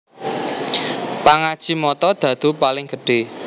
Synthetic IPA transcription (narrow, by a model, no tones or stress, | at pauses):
paŋad̥ʒ̥i̤mɔt̪ɔd̪̥ä̤d̪̥ṳpalɪŋɡ̥əɖ̥e